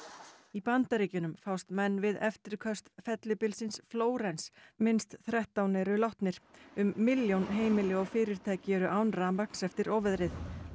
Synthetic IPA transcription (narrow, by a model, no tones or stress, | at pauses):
ipant̪aɾiːcʏnʏmfawst̪mɛnːvɪðɛ̰ft̪ɪɾkʰœst̪fɛt̪lɪpɪlsɪnsfloːwɾejnsmɪnst̪θɾɛht̪awnɛːɾʏlɔht̪nɪɾ̥ʏmːɪljownɦeːjmɪlɪɔɣfɪːɾɪɾ̥t̪ʰaːjcɪɛɾʏʔawnɾamakn̥sɛft̪ɪɾɔːvɪðɾɪθ